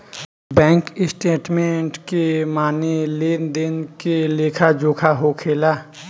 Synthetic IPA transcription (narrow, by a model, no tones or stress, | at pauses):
bɛ̃ːŋkɪsʈeːʈmẽɳʈkemaːneleːnd̪eːnkeleːkʰad͡ʒoːkʰaɦokʰeːlaː